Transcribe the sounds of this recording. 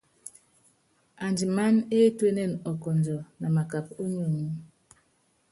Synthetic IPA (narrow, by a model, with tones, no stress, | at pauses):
a˨nd͡ʒi˨ma˦ne˦e˦twe˦nɛ˦˨nɔ˨kɔ˨n˨d͡ʒɔ˨na˨ma˨ka˨p̚o˦ɲu˦˨mu˦